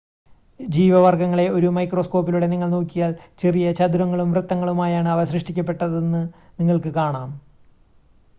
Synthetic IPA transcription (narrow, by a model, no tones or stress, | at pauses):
d͡ʑiːʋɐʋɐrɡɐŋːɐɭe̞o̞ɾumɐjkro̞ːsko̞ːpːiluɽe̞niŋːɐɭnoːkːijaːlt͡ɕe̞rijɐt͡ɕɐd̪uɾɐŋːɐɭumʋrɨt̪ːɐŋːɐɭumaːjaːɳɨɐʋɐɕɾɨʂʈikʲːɐpːe̞ʈːɐðenːɨniŋːɐɭkɨkaːɳaːm